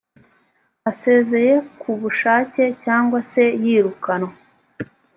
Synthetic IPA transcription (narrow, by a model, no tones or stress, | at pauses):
ase̞ːze̞je̞kʰuβuʃaːce̞caːŋɡwase̞jiːɾukano